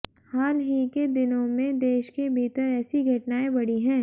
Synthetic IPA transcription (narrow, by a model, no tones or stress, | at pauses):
haːlɦiked̪ɪnõmẽd̪eːʃkebʱiːt̪əɾɛːsiɡʱɐʈnaːebɐɽiɦɛ̃ː